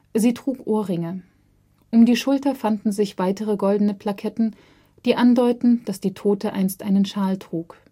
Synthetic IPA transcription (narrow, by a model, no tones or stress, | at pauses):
ziːtʁ̥uːkʔoːɐʁɪŋə | ʔʊmdiːʃʊltɐfandn̩zɪçv̥aɪtəʁəɡɔldn̩əpʰl̥akʰɛtn̩ | d̥iːʔandɔʏtn̩d̥asd̥iːtʰoːtəʔa̰ɪnstʔaɪnənʃaːltʁ̥uːk